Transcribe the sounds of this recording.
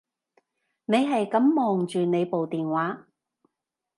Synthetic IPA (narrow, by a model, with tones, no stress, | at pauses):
ne˨˧jɦɐ˨jkɐ˨˥mːɔː˨ŋt͡ʃyː˨ne˨˧jpo˨wt̪iː˨nwaː˨˥